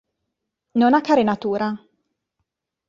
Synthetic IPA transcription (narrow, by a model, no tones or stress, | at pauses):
nonakːaɾenat̪uːɾa